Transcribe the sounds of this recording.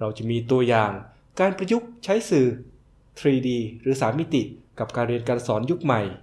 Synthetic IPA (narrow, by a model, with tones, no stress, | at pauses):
ɾa˧wt͡ɕa˨˩miː˧t̪u˧ɐjaː˨˩ŋ | kaː˧npɾa˧ju˦˥k̚t͡ɕʰa˦˥jsɯː˨˩ | t̪ʰɾiː˧diː˧ɾɯː˩˦saː˩˦mi˦˥t̪i˨˩ka˨˩p̚kaː˧nɾi˧ənkaː˧nsɔː˩˦nju˦˥k̚ma˨˩j